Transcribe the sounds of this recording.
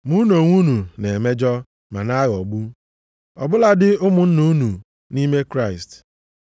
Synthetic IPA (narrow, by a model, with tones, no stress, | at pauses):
mu˦no˨ŋʷu˦nu˨ne˨me˦d͡ʒɔ˦ | ma˨na˦ɣɔ˨ɡ͡bu˦ | ɔ̰˨bʊ˦la˦dɪ˦ʊ˦mʊ˨n̩˦nu˦nu˨ | ni˦me˦kɾa˦˨ɪ˨st